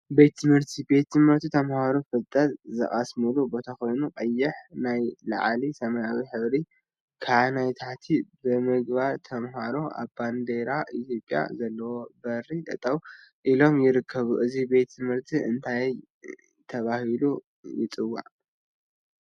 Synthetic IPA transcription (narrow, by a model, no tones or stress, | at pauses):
be̞t̪ʰːɨmhɨɾt̪ʰibe̞t̪ːɨmhɨɾt̪ʰit̪ʰɐmhaɾofɨlt̪ʼːɐt̪zɨ̰χʼasmɨlubo̞t̪ʰako̞jnuqʼɐjːɪħnajla̰ʕlisɐmɐjawiħɨβɾi | kʰanajt̪ʰaħt̪ʰibɨmɨɡβaɾt̪ʰɐmɦaɾoa̰βband̪eɾaʔit̪ʰjo̞pʼja̰zɐlːɐwo̞bɐɾit̪ʼɐt̪ʼːɐwʔilo̞mjɪɾɨkʰːɐβuʔɨzibe̞t̪ːʰɨmhɨɾt̪ʰiɨ̰nt̪ʰaj | t̪ʰɐβahilu | jɪt͡sʼɨwːa̰ʕ